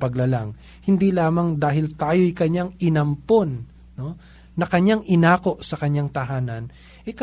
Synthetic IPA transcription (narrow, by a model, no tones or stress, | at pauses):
pɐɡlɐlaŋ | hɪnd̪ilaːmɐŋd̪aːɦɪlt̪aːjo̞jkɐɲaŋɪnɐmpo̞nː | o̞ː | ɐkɐɲːaŋʔɪnaːko̞ʔsɐkɐɲːaŋt̪ɐɦaːnɐn | ʔɛk